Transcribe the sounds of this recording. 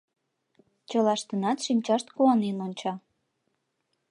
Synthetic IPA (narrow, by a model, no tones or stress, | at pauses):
t͡ɕəlɑʃt̪ənɑt̪ʃimt͡ɕɑʃt̪kuɑnenonʲt͡ɕɑ